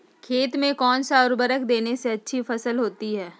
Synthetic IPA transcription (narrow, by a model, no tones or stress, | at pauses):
kʰeːt̪mẽkɔːnsaɔʊɾbəɾəkd̪eːneseɐtːʃʰifɐsəlɦoːt̪iɦɛː